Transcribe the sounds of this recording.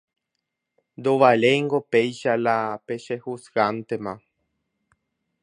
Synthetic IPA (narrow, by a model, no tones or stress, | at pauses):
nd̪oʋalejŋɡopejʃalape̞ʃehusɡant̪emã